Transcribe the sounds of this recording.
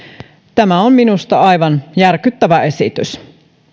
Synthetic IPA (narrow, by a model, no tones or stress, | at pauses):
t̪æmæomminust̪ɑɑjʋɑnjærkyt̪ːæʋæe̞sit̪ys